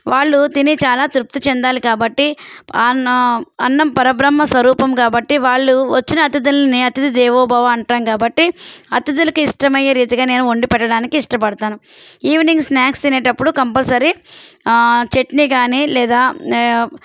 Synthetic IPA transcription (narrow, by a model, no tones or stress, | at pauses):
ʋaːɭːut̪init͡ʃaːlaːt̪ɾup̚t̪ut͡ʃɛnd̪aːlikaːbɐʈːi | ɐnːɐmpɐɾɐbɾɐmːɐsʋɐɾuːpɐmkaːbɐʈːiʋaːɭːuʋɐt͡ʃːinɐːt̪id̪ulɐniɐt̪id̪id̪ɛːʋɔːbaːʋaːɐɳʈaːnkaːbɐʈːiɐt̪id̪ulɐkuiʂʈɐmɐjːɐɾiːt̪iɡaːne̞ːnuoɳɖipɛʈːɐɽaːnikiːʂʈɐpɐɽɐt̪aːnu | iːʋniŋɡsnaːkst̪ineːʈɐpːuɽukɐmpɐlsɐɾi | t͡ʃe̞ʈniɡaːnilɛːd̪aː